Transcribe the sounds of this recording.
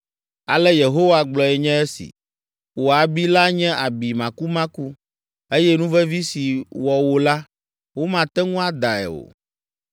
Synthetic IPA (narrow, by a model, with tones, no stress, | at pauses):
a̰˨lɛ˦je˨ɦo˦wa˨ɡ͡blɔ˨ɛ˨ɲɛ̃˦ɛ˦sḭ˨ | wo˨a˨bi˦la˦ɲɛ̃˦ʔa˨bi˨mã˨ku˦mã˦ku˦ | e˦jɛ˦nũ˦vɛ˦vi˦si˨wɔ˨wo˨la˦ | wo˦mã˨t̪ɛ˦ŋũ˦a˦d̪a˨ɛ̰˨o̰˨